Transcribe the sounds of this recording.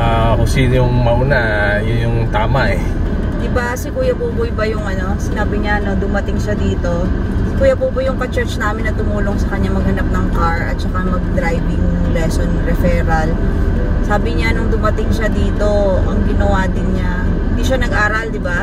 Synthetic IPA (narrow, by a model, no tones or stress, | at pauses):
ʔakʊŋsiːnojʊŋmɐʔunajʊnjʊŋt̪aːmɐʔɛ | d̪ɪbaɐsɛkuːjɐpuːbʊjbɐjʊŋɐno̞sɪnaːbɪɲaʔɐno̞d̪ʊmɐt̪ɪŋʃad̪iːt̪o̞kuːjɐpuːbʊjːʊŋpɐt͡ʃɛɹt͡ʃnaːmɪnːɐt̪ʊmuːlo̞ŋsɐkɐɲːamɐɡ̚hɐnap̚nɐŋkaɹʔɐ̰t̪̚t͡ʃɐkamɐɡ̚d̪ɾajbɪŋnʊŋlɛsonɾɛfɛːɾɐl | saːbɪɲanʊŋd̪ʊmɐt̪ɪŋʃad̪iːt̪o̞ʔɐŋɡɪnɐwaːd̪ɪnɲa | hɪ̃nd̪iːʃanɐɡʔaːɾɐld̪ɪba